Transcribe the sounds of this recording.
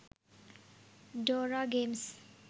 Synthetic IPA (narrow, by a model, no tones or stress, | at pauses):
ɖɔɾaɡems